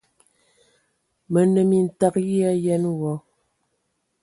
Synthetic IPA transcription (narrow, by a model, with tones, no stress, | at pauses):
mə˨nə˨mi˨n̩˨ta˨k̚ɣi˦a˦jɛ˦nwɔ˨˦